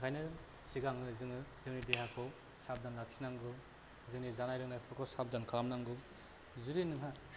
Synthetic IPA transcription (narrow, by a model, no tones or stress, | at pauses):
kʰajnɯ | siɡaŋɯzɯŋzɯŋnideɦakʰɔ | sab̚danlak̚sʰinaŋɡɯ | zɯŋnizanajɾɯŋnajpʰɯɾkʰɔsab̚dankʰɾamnaŋɡɯ | zuɾinɯŋɦa